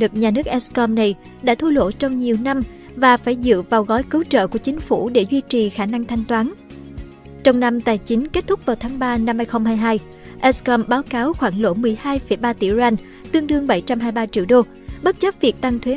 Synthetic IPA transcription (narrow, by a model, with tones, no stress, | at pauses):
ɨ˨˩k̚ɲaː˨˩nɨ˦˥ək̚ʔɛ˦˥skɔ˧mna˨˩j | ɗa̰ː˧˥t̪ʰu˧lo̰˧˥t͡ɕɔ˧wŋ͡mɲi˨˩əwna˧m | vaː˨˩faː˧˩jzɨ̰˧˨vaː˨˩wɣɔ˨˦jkɨ˨˦wt͡ɕə̰ː˧˨ku˧˩t͡ɕï˨˦ŋ̟fṵ˧˩ɗe˧˩zwi˧t͡ɕi˨˩xaː˧˩na˧ŋt̪ʰa˧jŋ̟t̪waː˨˦n | t͡ɕɔ˧wŋ͡mna˧mt̪aː˨˩jt͡ɕï˨˦ŋ̟ke˦˥t̚t̪ʰʊ˦˥k͡p̚vaː˨˩wt̪ʰaː˨˦ŋɓaː˧na˧mhaː˧jxə˧wŋ͡mhaː˧jɦaː˧j | ʔɛ˦˥skɔ˧mɓaː˨˦wkaː˨˦wxwaː˧˩ŋlo̰˧˥mɨ˨˩əjhaː˧jfə˧˩jɓaː˧t̪ḭ˧˩za˧n | t̪ɨ˧əŋɗɨ˧əŋɓa˧˩jt͡ɕa˧mɦaː˧jɓaː˧t͡ɕḭ˧˨əwɗo˧ | ɓə˦˥t̚t͡ɕə˦˥p̚vi˨˩ək̚t̪a˧ŋt̪ʰwe˨˦